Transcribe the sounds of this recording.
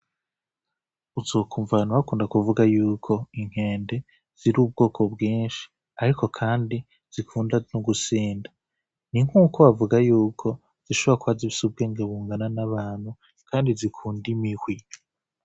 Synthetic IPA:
uzo̞ːkʰuːɱvanuβakuːndakuvuɡajuːkʰo̞iŋ̥he̞ːnde̞ | z̥iɾuːb̚ɡo̞ːkʰo̞bɡiːnʃi̥ | aɾiko̞kʰaːndi | z̥ikʰuːndanuɡusiːndḁ | niŋ̥uːkʰoβavuɡajuːkʰo̞ | z̥iʃoβoɾakuβaziβisub̚ɡeːŋɡeβuːŋɡananaβaːn̥hu | kʰaːndizikʰuːndimihwi

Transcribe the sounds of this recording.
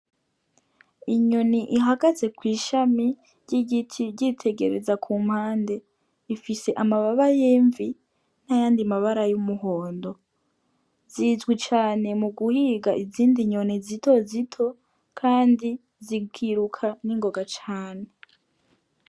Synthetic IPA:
iɲo̞niʔiɦaɡaze̞kwiːʃami | ɾɟiɡitʰiɟitʰe̞ɡe̞̰ɾe̞̰zakʰuːm̥haːnde̞ | ifise̞ʔamaβaβajeːɱvi | najaːndimaβaɾajumuɦo̞ːndo̞ | ziːzɡwit͡ʃaːne̞muɡuhiɡaʔiziːndiɲo̞nizitʰo̞zitʰo̞ | kʰaːndi | ziɡiɾukʰaniŋɡo̞ɡat͡ʃaːne

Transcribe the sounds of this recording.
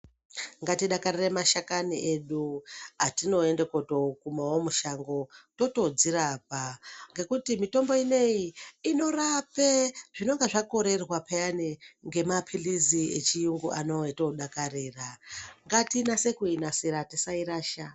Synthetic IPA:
ŋɡatiɗakaɾiremaʃakaniʔeɗuatino̞endeko̞to̞kumawomuʃaŋɡo̞to̞to̞d͡ziɾapaŋɡe̞kutimito̞mbo̞ine̞jiino̞rapeʐ̥ino̞ŋɡeʐako̞ɾe̞rwapejaniŋɡe̞mapʰiliziḛt͡ʃijuŋɡuʔano̞eto̞ɗakareːraŋɡatinase̞kuinasiɾatisaiɾaːʃa

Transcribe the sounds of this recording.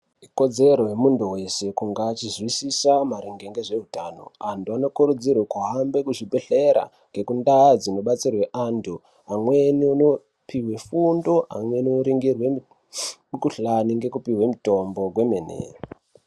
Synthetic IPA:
iko̞d͡ze̞ɾo̞jemunduwe̞se̞kuŋɡaːt͡ʃizwisisamaɾiŋɡe̞ŋɡe̞ʐe̞utaːno̞̰antuano̞kuɾud͡zirwekuɦambe̞kuʐibʱe̞ɬe̞ɾa̰ | ŋɡe̞kundaːd͡zino̞ɓat͡sirwe̞ʔantu | amwe̞niuno | pʰiwe̞fundo̞a̰mwe̞niuɾiŋɡirwe̞ | mukuɬaniŋɡe̞kupiwe̞muto̞mbo̞ɡʱwe̞menḛro

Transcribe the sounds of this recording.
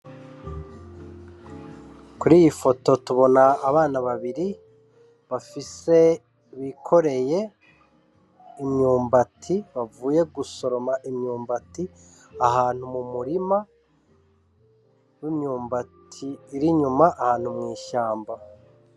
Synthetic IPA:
kuɾijifo̞to̞tuβo̞naːβaːnaβaβiɾi | βafise̞ | βikʰo̞ɾe̞je̞ | imɲuːmbatʰiβavuːje̞ɡuso̞ɾomaʔimɲuːmbati | aɦaːn̥humumuɾima | wimɲuːmbatʰiːɾiɲumaʔːhaːn̥humŋiːʃaːmba

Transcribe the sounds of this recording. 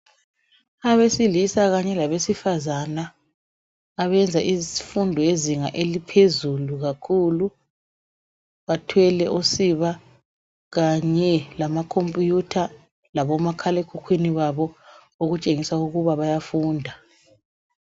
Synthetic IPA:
aβesilisaɣaɲɛlaβesifazana | βɛnd͡zʱaʔiifundʱɔjeziŋaʔelipʰezuluɣakʰulu | βatʰwɛlɛʔosiβa | ɣaɲɛlamakʰompʼujutʰa | laβɔmakʰalekʰukʰwiniβaβɔ | oɣut͡ʃʼeŋisauɣuβaβajafuːndʱa

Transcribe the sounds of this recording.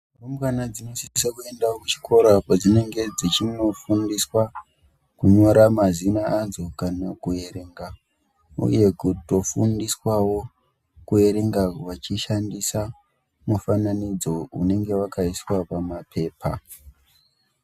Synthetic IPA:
romkanad͡zino̞siisakue̞ndakut͡ʃi̥kʰo̞ɾakad͡zine̞ŋɡe̞d͡zit͡ʃino̞fundiswa | kuɲo̞ɾamazinaːnzokanakue̞ɾe̞ŋɡa | ṵje̞kuto̞fundiswawo̞ | kue̞ɾe̞ŋɡaʋat͡ʃiʃandisa | mufananid͡zo̞ṵne̞ŋɡe̞wakaiswapamapʰe̞ːpʰa̰

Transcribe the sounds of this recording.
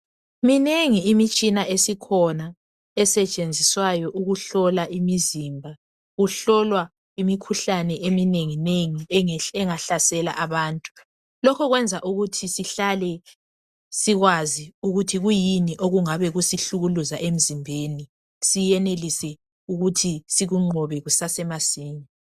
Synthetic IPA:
mineŋiːmit͡ʃʼinaʔesikʰɔna | ɛsɛt͡ʃʼend͡zʱiswajɔʔuɣuɬɔlaʔimizimbʱa | ɣuɬɔlwa | imikʰuɬanɛʔemineŋineŋiɛŋaɬasɛla̰ʔaβaːntʼu̥ | lɔkʰɔɣwɛnd͡zʱaʔuɣutʰisiɬalɛ | siɣwaziuɣutʰiɣujiniʔoɣuŋaβɛɣusiɬuɣuluzaʔem̩zimbʱeni | sijɛnelisɛ | uɣutʰisiɣuŋ͡ǃʱɔβɛɣusasɛmasiːɲi

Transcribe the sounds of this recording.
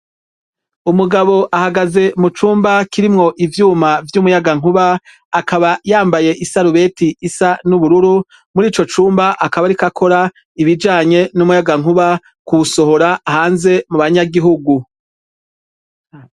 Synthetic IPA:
umuɡaβo̞ʔahaɡaze̞mut͡ʃuːmbakiɾimŋo̞ʔivjuːmavjumujaɡaŋ̥uβaː | kaβajaːmbaje̞ʔisaɾuβe̞tiisanuβuɾuɾu | muɾiːt͡ʃo̞t͡ʃuːmbaʔakaβaɾikakʰo̞ɾa | iβid͡ʒaːɲe̞numujaɡaŋ̥uβa | kuβuso̞ɦo̞ɾahaːnze̞muβaɲaɡiɦuɡu

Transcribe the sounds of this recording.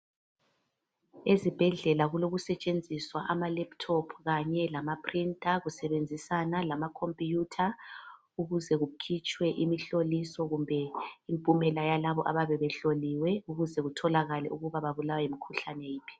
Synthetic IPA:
ezib̥ʱɛɮɛlaɣuloɣusɛt͡ʃʼend͡zʱiswaʔamalɛptʰɔpʰɣaɲɛlamapʰrintʼaɣusɛβend͡zʱisanalamakʰompʼijutʰa | uɣuzɛɣukʰit͡ʃʼwɛʔimiɬolisɔɣumbʱɛimpʼumɛlajalaβɔʔaβaβɛβɛɬoliwɛuɣuzɛɣutʰɔlaɣalɛ̰uɣuβaβaβulawaimikʰuɬanɛjiːpʰi̥

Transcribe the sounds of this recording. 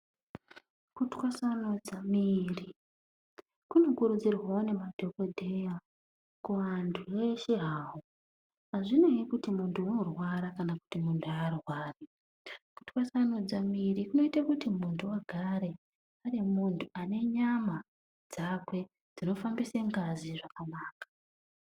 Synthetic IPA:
kutkwasanod͡zamiri | kuno̞kuɾud͡zirwaone̞madʱo̞ko̞dʱeja | kuʋantʰueʃe̞ɦaːwo | aʐino̞ikutimuntʰuunorwaɾakanaku̥timuntʰuarwaːri | ku̥ti̥wasanod͡zamirikuno̞itakutimuntʰuaɡʱaɾe̞ | arimuntʰuane̞ɲama | d͡zakwe̞ | d͡zino̞fambiseŋɡaziʐakanaːkḁ

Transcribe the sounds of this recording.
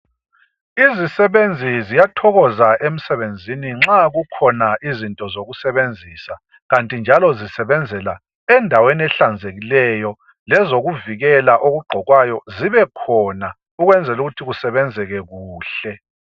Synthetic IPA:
izisɛβend͡zʱizijatʰɔɣɔzaʔem̩sɛβend͡zʱiniŋ͡ǁaɣukʰɔnaʔizintʼɔzoɣusɛβend͡zʱiːsa | ɣantʼind͡ʒʱalɔzisɛβɛnd͡zʱɛla | ɛndʱaweniɛɬand͡zʱeɣilɛjɔ | lɛzoɣuviɣɛlaʔoɣuɡ͡ǃʱɔɣwajɔziβɛkʰɔːna | uɣwɛnd͡zʱɛluɣutʰiɣusɛβɛnd͡zʱɛɣɛɣuːɬɛ

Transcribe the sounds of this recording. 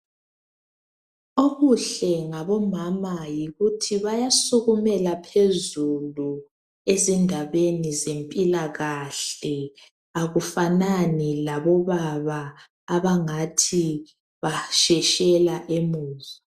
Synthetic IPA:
oɣuɬɛŋaβɔmamajiɣutʰiβajasuɣumɛlapʰezulu | ezindʱaβenizempʼilaɣaɬɛ | aɣufananilaβɔβaβaː | βaŋatʰi | βaʃɛʃɛlaʔemuːzɔ

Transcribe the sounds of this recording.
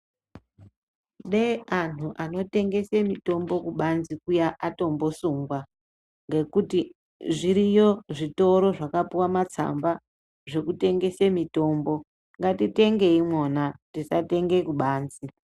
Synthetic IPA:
ɗean̤uʔano̞te̞ŋɡe̞semito̞mbo̞kuɓanzikujaʔato̞mbo̞suŋɡwa | ŋɡe̞kuti | ʐiɾijo̞ʐito̞ɾo̞ʐakapuwamat͡sa̰mba | ʐe̞kute̞ŋɡe̞semito̞ːmbo̞ | ŋɡatite̞ŋɡe̞imwonatisate̞ŋɡe̞kuɓaːnzi

